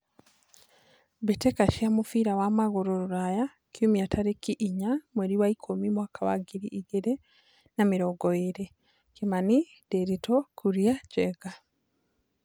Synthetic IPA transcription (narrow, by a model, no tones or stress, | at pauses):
βetekaʃiamufiɾawamaɡuɾoɾuɾaja | kjumiatʰaɾekiʔːɲamweɾiwaikʰomimwakaβa̰ɡiɾiʔːɡeɾe | namiɾoɡoiɾe | kimani | deɾitokʰuɾjaɟeɡa